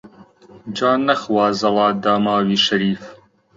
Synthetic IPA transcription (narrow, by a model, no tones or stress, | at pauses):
d͡ʒaːnːɐxwɑːzɐlˠɑːd̪aːmaːwiːʃɐɾiːf